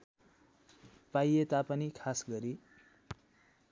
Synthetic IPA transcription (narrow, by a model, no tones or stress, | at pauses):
pajet̪apʌnikʰasɡʌɾi